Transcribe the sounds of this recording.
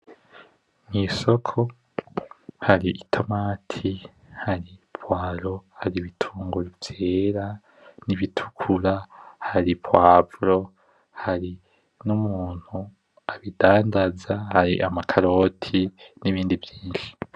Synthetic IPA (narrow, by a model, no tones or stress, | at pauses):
ŋiso̞kʰo̞ | haɾiitʰo̞maːtʰi | haɾipwaːɾo̞haɾiβitʰuːŋɡuɾivjeːɾa | niβitʰu̥kʰuɾahaɾipwaːvɾo̞ | haɾi | numuːn̥hu | aβidaːndazahaɾḭʔamakʰaɾo̞ːtʰiniβiːndivjiːnʃi̥